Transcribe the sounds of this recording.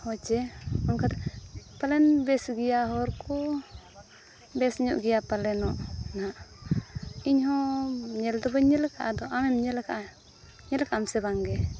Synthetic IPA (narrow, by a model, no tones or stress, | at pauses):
hɔt͡ʃɛɔnkat̪apalɛnbɛsɡijaɦɔɾkʰɔ | bɛsɲɔʔɡɛjapalɛnɔʔnaʔ | iɲhɔ̃ɲɛld̪ɔbəɲɛlɛkʰaʔad̪ɔʔamɛmɲɛlɛkaʔa | ɲɛlkaamsɛβaŋɡɛ